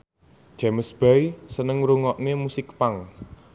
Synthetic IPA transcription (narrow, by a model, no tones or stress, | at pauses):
d͡ʒ̥a̤məsb̥ajsənəŋɾuŋɔʔŋemusɪkpaŋ